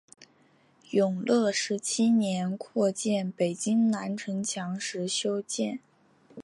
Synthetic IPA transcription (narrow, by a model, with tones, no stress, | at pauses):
jʊ˨˩ŋlɤ˥˧ʂɻ̩˧˥t͡ɕʰi˥njɛ˧˥nkʰwɔ˥˧t͡ɕjɛ˥˩npe˨˩ɪt͡ɕi˥ŋna˧˥nʈ͡ʂʰɤ˧˥ŋt͡ɕʰjɑ˧˥ŋʂɻ̩˧˥ɕjo˥ʊt͡ɕjɛ˥˩n